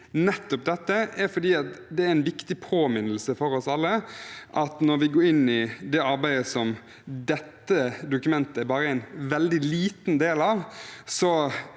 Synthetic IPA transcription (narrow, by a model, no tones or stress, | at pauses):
nɛt̪ːɔp̚d̪ɛt̪ːəæɾfɔɾd̪iːɑt̪d̪ɛæɾɪnʋɪkt̪ɪpʰoːmɪnəl̩səfɔɾɔsɑlːəʔɑt̪nɔɾʋɪɡoːɾɪnːɪd̪ɛɑɾbæɪd̪əsɔm | d̪ɛt̪ːəd̪ʊkʉmɛnt̪əɛɾbɑːɾəæɪnʋɛld̪ɪliːt̪nd̪eːlɑʋsɔ